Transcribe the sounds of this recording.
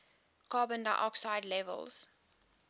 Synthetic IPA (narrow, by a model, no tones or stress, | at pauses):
kɑːbə̃nda̰ʔɔ̰ksaɪdlɛvə̰lˠz̥